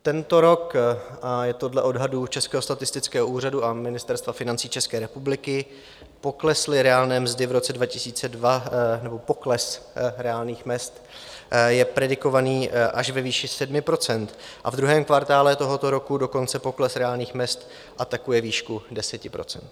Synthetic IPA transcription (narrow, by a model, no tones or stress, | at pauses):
t̪ɛnt̪o̞ɾo̞kʔajɛt̪odlɛʔo̞dɦadut͡ʃɛskɛːɦost̪at̪ɪst̪ɪt͡skɛːɦoʔuːraduʔamɪnɪst̪ɛɾst̪vafɪnant͡siːt͡ʃɛskɛːɾɛpublɪkɪ | po̞klɛslɪɾɛaːlnɛːmzdɪvɾo̞t͡sɛdvacɪsiːt͡sɛdvanɛbo̞po̞klɛsɾɛaːlniːxmɛst̪ | jɛpɾɛdɪko̞vaniːʔaʃvɛviːʃɪsɛdmɪpɾo̞t͡sɛnt̪ʔa̰vd̪ɾuɦɛːmkvaɾt̪aːlɛt̪o̞ɦo̞t̪o̞ɾo̞kudo̞ko̞nt͡sɛpo̞klɛsɾɛaːlɲiːxmɲɛst̪ | ʔat̪akujɛviːʃkudɛsɛcɪpɾo̞̰t͡sɛ̰nt̪